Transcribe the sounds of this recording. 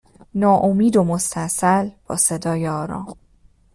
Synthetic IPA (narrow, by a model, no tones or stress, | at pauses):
nɒːʔomiːd̪o̞most̪ʰæsælb̥ɒ̰ːse̞d̪ɒːjeɒːɾɒ̰ːm